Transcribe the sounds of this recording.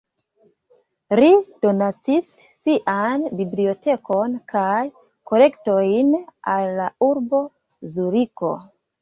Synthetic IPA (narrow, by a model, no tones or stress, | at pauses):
ɾid̥o̞nat͡sisː | iʔanbiblio̞te̞ko̞nkʰaj | ko̞le̞kto̞jnalːauɾbo̞ | zuɾiko̰